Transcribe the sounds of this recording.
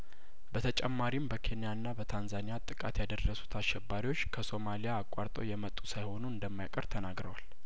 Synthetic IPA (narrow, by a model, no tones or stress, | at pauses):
bət̪ʰət͡ʃʼɛmːaɾimbəkʰe̞nijanːabət̪ʰanzanijat̪ʼːɨkʼa̰t̪jad̪ərːəsu̥t̪ʰaʃɛbːaɾiwo̞t͡ʃːkʰəso̞malijaːkʼwaɾt̪ʼo̰wjɛmət̪ʼːusajho̞nuɨnd̪əmːajakʼəɾt̪ʰənaɡɾəwal